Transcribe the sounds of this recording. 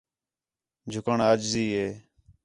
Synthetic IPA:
d͡ʒʱʊkəɳəd͡ʒziːɦeː

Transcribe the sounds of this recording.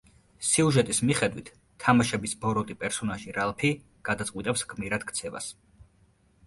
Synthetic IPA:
siuʒɛt̪ʼismiχɛd̪wit̪ʰːamaʃɛbisbɔɾɔt̪ʼipʼɛɾsɔnaʒiɾalˠpʰi | ɡ̥ad̪at̪sʼqʼwit̪ʼɛpsɡmiɾad̪̥kʰt̪sʰɛva̰s

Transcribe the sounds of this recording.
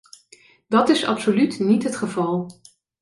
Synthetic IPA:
dɑtɪsɑ̰psolytnitɦətχəvɑlˠ

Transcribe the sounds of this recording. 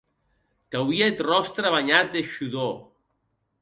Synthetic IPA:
kawiaet̪rɔst̪ɾaβaɲat̪̚d̪eʃuðo

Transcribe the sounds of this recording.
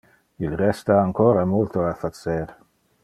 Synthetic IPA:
ilrɛst̪aːŋkoːɾamult̪oafat̪t͡seɾ

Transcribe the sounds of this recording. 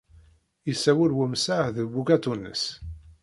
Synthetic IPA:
isːæwəɾwəmsaðəbukæt̪unːə̰s

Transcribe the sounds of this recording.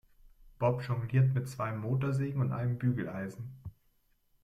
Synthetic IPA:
b̥ɔpʒ̥ɔŋliːɐtmɪtt͡sv̥aɪmoːtɐzeːɡŋ̩ʊntʔa̰ɪnəmbyːɡl̩ʔaɪzn̩

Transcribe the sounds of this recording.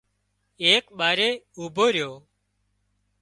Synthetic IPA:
eːkɓaːɾeːuːbʱoːɾɪjoː

